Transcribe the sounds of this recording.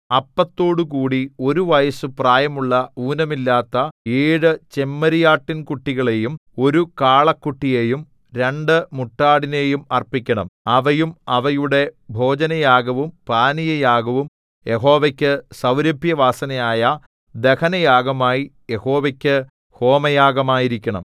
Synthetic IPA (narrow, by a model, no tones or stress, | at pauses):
ɐpːɐt̪ːo̞ːɽukuːɽio̞ɾuʋɐjɐsɨpraːjɐmuɭːɐuːnɐmilːaːt̪ːɐeːɽɨt͡ɕe̞mːɐɾijaːʈːinkuʈːiɣɐɭe̞jumo̞ɾukaːɭɐkːuʈːije̞ːjum | ɾe̞ɳɖɨmuʈːaːɽine̞ːjumɐrpikʲːɐɳɐmɐʋɐjumɐʋɐjuɽe̞bʱo̞ːd͡ʑɐnɐjaːɡɐʋumpaːnijɐjaːɡɐʋum | je̞ɦo̞ːʋɐkʲːɨsɐwɾɐbʱjɐʋaːsɐnɐjaːjɐ | d̪e̞kɐnɐjaːɡɐmaːjijeho̞ːʋɐkʲːɨ | ho̞ːmɐjaːɡɐmaːjiɾikʲːɐɳɐ̰m